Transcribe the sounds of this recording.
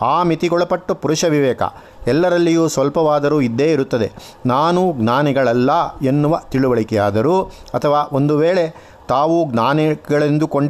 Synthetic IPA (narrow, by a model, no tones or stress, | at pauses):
aːmit̪iɡɔɭɐpɐʈːupuɾuʂɐʋiʋɛːkɐ̰ | ɛlːɐɾɐlːijuːsʋɐlpɐʋaːd̪ɐɾuːid̪ːe̞ːiɾut̪ːɐd̪e̞̰ | naːnuɡnaːniɡɐɭɐlːɐe̞nːuʋɐt̪iɭuʋɐɭikɛjaːd̪ɐɾuː | ɐt̪ʰɐʋaːʔo̞nd̪uʋeːɭe | t̪aːʋuɡnaːniɡɐɭend̪uko̞ɳɖ